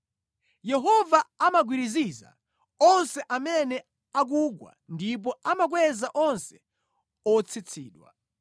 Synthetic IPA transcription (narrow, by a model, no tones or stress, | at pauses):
jɛɦɔvaamaɡwiɾiziza̰ | ɔnsɛʔamɛnɛ | ak̬uɡwa̰ndip̬ɔamak̬wɛzaʔɔnsɛ̥ | ɔt͡sʰit͡sʰiːɗwa̰